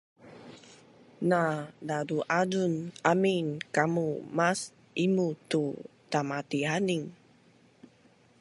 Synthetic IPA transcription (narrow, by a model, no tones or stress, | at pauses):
nadaduʔadunaminkamumas | imut̪ut̪amat̪iɦaniŋ